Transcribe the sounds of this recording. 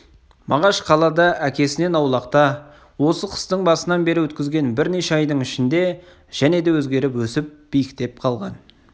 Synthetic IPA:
mʔɑʁɑʃqʰɑlˠɑd̪ɑʔækʲe̞sɪne̞nɑwlˠɑqt̪ɑ | wo̞səqʰə̥st̪əɴbɑsənɑnbe̞ɾɪwɵt̪kʲɪzɡʲe̞nbɪɾne̞ʃeɑjd̪əɴɪʃɪnd̪e̞ | ʒ̥æne̞d̪e̞wɵzɡʲe̞ɾɪpwɵsɪp̚b̥ijɪkt̪e̞p̚qʰɑlˠʁɑn

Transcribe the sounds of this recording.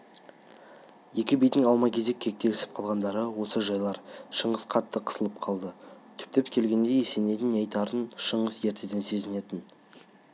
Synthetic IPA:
je̞kʲɪbijd̪ɪŋɑwˠmɑkʲʰe̞ze̞kʲʰːe̞k̚t̪e̞ɪsɪ̥p̚qʰɑlˠʁɑnd̪ɑɾəwo̞səʒɑjlˠɑɾʃəɴəz̥qʰɑt̪ːəqʰə̥səlˠəp̚qʰɑlˠd̪ət̪ʰʏ̥p̚t̪e̞pkʲʰe̞lɡʲe̞nd̪e̞jese̞ne̞t̪ɪnɑjt̪ɑɾənʃəɴəsje̞ɾt̪ed̪e̞nse̞zɪne̞t̪ɪn

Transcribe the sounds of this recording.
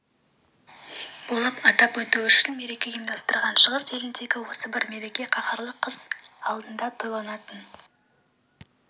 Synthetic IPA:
b̥olˠəpɑt̪ɑpwɵt̪uʏʃɪnme̞ɾe̞kʲe̞imd̪ɑst̪əɾʁɑnʃəʁəse̞lɪnd̪e̞ɡʲɪwo̞səbɪɾme̞ɾe̞kʲe̞qʰɑqɑɾlˠəqʰːəz̥ɑlˠd̪ənd̪ɑt̪ʰo̞jlˠɑnɑt̪ən

